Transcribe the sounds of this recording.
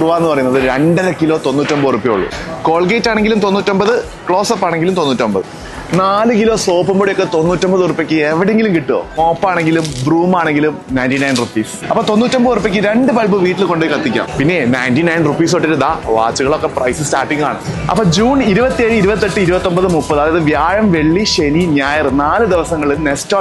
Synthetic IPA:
ɽuʋaːenːɨpɐrɐjunːɐðɨɾe̞ɳɖɐɾɐkːilo̞ːt̪o̞nːutːombɐorupːijoɭːṵko̞ːɭɡeːtːaːɳe̞ŋɡilumt̪o̞nːuːtːo̞mbɐðɨ | kɭo̞ːsopːaːɳe̞ŋɡilumt̪onːuːtːombɐðɨ | naːlɨkilo̞ːso̞ːpɐmboɽijokːe̞t̪o̞nːuːtːombɐðɨorupːekʲːɨeʋiɽeŋɡilumkiʈːuo̰oːpːaːɳe̞ŋɡilumbruːmaːɳe̞ŋɡilumnɐjntinɐjnrupːiːsɐpːoːt̪o̞nːuːtːombɐðorupːekʲːɨɾe̞ɳɖɨpɐlbɨʋiːʈːilko̞ɳɖejkːɐt̪ːikʲːa̰ːmpinːe̞nɐjntinɐjnrupːiːsoʈːeɾund̪aːʋa̰ːt͡ɕːuɣɐɭo̞kːe̞prɐ̰jsɨstaːrʈːiŋɡa̰ːɳɨ̰ɐ̰pːoːd͡ʑuːniɾubɐt̪ːijɐjiɾubɐt̪̬ːeʈːɨiɾubɐt̪ːo̞mbɐðɨmupːɐðɨɐðɐjɐðɨʋjaːɻɐmʋe̞ɭːiɕeniɲaːjɐrnaːlɨd̪iʋɐsɐŋːɐɭilne̞stoː

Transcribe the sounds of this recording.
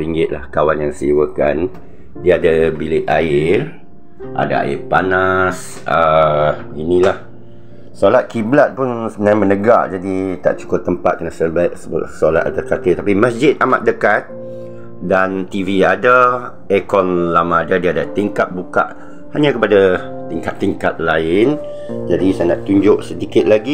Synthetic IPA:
ɾiŋɡɪt̪̚lahkawanjaŋsiwəkan | diəadabilɪt̪̚aɪr | ʔa̰da̰a̰ɪ̰rpanas | ə | ɡinĩlah | solat̪̚kiblat̪̚pʊnsəmənaamənəɡa̰ʔd͡ʒadit̪a̰ʔt͡ʃu̥kʊt̪ːəmpat̪̚kənasəbaʔsəb̰sola̰t̪̚a̰t̪ərkat̪ɪt̪apimãsd͡ʒɪt̪̚ama̰t̪̚dəkat̪̚ | dant̪iviada | ɛkɔnlamãːdadiadat̪iŋkat̪̚buka̰ʔ | haɲãkəpada | t̪iŋkat̪ːiŋkat̪̚laɪn | d͡ʒadisajanaʔt̪uɲd͡ʒʊʔsədikɪt̪̚laɡi

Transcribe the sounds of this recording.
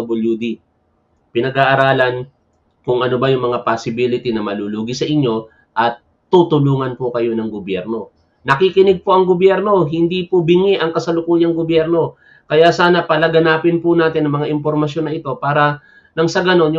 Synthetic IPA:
bɐljud̪i | pɪnɐɡaːʔɐɾaːlɐn | kʊŋʔɐno̞bɐjʊŋmɐŋapasɪbilɪt̪inɐmɐluluːɡisɐʔɪɲːo̞ | ʔɐt̪ːut̪ʊluːŋɐnpokɐjo̞nɐŋɡobjɛ̰ɾno̞ | nɐkikɪnɪɡ̚poʔɐŋɡobjɛɾno̞ɦɪnd̪ipobɪŋiʔɐŋkɐsɐlʊkuːjɐŋɡobjɛɾno̞ | kɐjasaːnɐpɐlɐɡɐnaːpɪnpʊnaːt̪ɪnʔɐŋmɐŋaʔɪmpoɾmɐʃjo̞nːɐʔɪt̪o̞paːɾɐ | lɐŋsɐɡɐno̞nj

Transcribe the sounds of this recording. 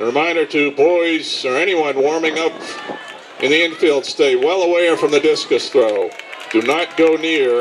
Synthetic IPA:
ɹɨmãɪ̃ndə˞tʰɨbɔɪzə˞ɛɾ̃iwʌ̃nwɔɹmɪ̃ŋʌp | ʔɨ̰̃nðiɪ̃nfilˠd̥steɪwɛlˠəwɛɪfɹʌ̃mðɨdɪskɨsθɹoʊd̥ɨnət̚ɡ̥oʊnɪɹ

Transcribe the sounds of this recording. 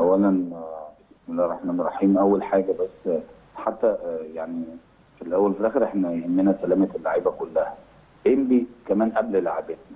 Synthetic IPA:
ʔæwːælæn | esmenrˤːɑħmæːnerˤːɑħiːmʔæwːælħaːɡæbæsː | ħat̪ːæjaʕni | filʔæwːælfelʔæːxeɾʔeħnæjhæmːenæsælæːmælːaʕiːbækolːæhæ | ʔembikæmæːnʔæbllaʕabet̪̚næ

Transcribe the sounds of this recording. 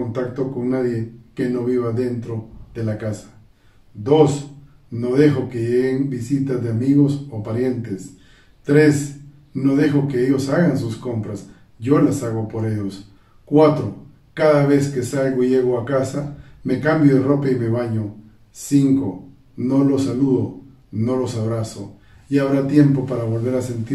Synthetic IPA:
ont̪akt̪okoŋnaðjekenoβiβaðent̪ɾoðelakasḁ | d̪os | noðexokeʝeɣeŋbisit̪azðeamiɣosopaɾjent̪es | t̪ɾes | noðexokeeʝosaɣansuskompɾas | ʝolasaɣopoɾeʝos | kwat̪ɾo | kaðaβeskesalɡoiʝeɣoakasamekambjoðeropeimeβaɲo | siŋko | nolosaluðo | nolosaβɾaso̰ | ʝaaβɾat̪je̞mpopaɾaβo̞lβe̞ɾasent̪i

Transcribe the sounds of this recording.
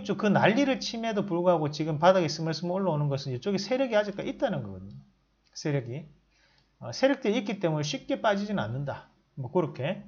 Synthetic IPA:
t͡ɕ͈okɯnaʎːiɾɯɭt͡ɕʰime̞dopuɭɡuɦaɡot͡ɕiɡɯmpadaɡes͈ɯmaɭs͈ɯmoɭːaonɯnɡʌsʰɯnjʌt͡ɕ͈oɡisʰe̞ɾjʌɡihad͡ʑik͈aʔit̚t͈anɯnɡʌɡʌdɯɲo | sʰe̞ɾjʌɡi | ʌsʰe̞ɾjʌk̚t͈eik͈it͈e̞mune̞ɕʰɥip̚k͈e̞p͈ad͡ʑid͡ʑina̰nːɯnda | mwʌkɯɾokʰe̞

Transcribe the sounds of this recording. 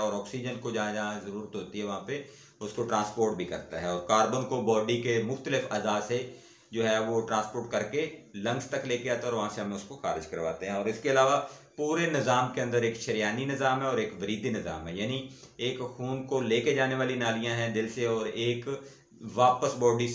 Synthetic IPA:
ɔːɾɔːksid͡ʒənkod͡ʒɐɦãd͡ʒaɦãzɐɾuːɾət̪ɦoːt̪iɦɛʋɐɦãpe | ʊskoʈɾãːspoːɾʈ̚bʱikɐ̰ɾt̪a̰ɦɛɔːɾkaːɾbənkobɔːɖikemʊxt̪əlɪfɐzaːse | d͡ʒoːɦɛʋoʈɾãːspoːʈ̚kɐɾkelɐ̃ŋɡst̪ɐkleːkeaːt̪aɔːɾʋɐɦãseɦɐmẽʊskoxaːɾɪd͡ʒkɐɾʋa̰ːt̪eɦɛ̃ɔːɾɪskeɐlaːʋapuːɾenɪzaːmkeɐ̃nd̪əɾeːkʃɐɾijaːninɪzaːmɦɛ̃ɔːɾeːkʋɐɾiːd̪inɪza̰ːmɦɛjaːni | eːkxuːnkoleːked͡ʒaːneʋaːlinaːlijãɦɛ̃d̪ɪlseɔːɾeːk | ʋaːpəsbɔːɖi

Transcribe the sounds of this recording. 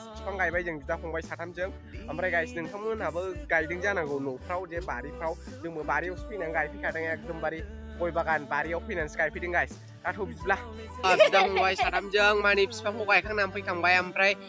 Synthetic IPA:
ispʰaŋɡajbajzɯŋbidaɦɔŋbajsatʰamzɯŋ | ampɾajɡajsinɯŋkʰaŋmɯnabɯɡajdɯŋzanaɡɯwnowpʰɾawdembaɾipʰɾawdɯŋbɯbaɾiawspinaŋɡajpʰijkʰadɯŋjakdɯmbaɾi | ɔjbaɡanbaɾiawpʰɯjnanskajpʰidɯŋɡajs | natʰawbizibla | abidahɔŋbajsatʰamzɯŋmanipʰi̥spʰaŋhɔwɡajkʰaŋnampʰɯjkʰambajampʰɾaj

